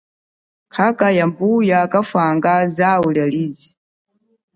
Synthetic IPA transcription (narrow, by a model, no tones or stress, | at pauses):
kʰakajambujakafaŋɡazaulaliːzi